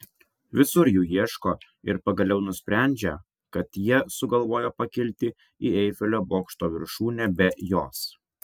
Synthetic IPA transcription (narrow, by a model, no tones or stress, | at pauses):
ʋʲɪsʊɾjuːjiɛʃkoː | ɪ̰ɾpɐɡɐlʲɛʊnʊsʲpʲɾʲæˑnʲd͡ʒʲɛ | kɐt̪jiɛsʊɡɐlˠʋoːjoːpɐkʲɪlʲt̪ʲɪ | iːɛɪfʲɛlʲoːboːkʃt̪oːʋʲɪɾʃuːnʲɛbʲɛjoːs